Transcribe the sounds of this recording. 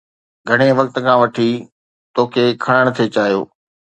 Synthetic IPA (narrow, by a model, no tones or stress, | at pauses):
ɡʱɐɽ̃eʋɐk̚t̪ə̆kʰãːʋɐʈʰi | t̪oːkʰekʰɐɽ̃əɽ̃t̪ʰet͡ɕaːɦijo̰ː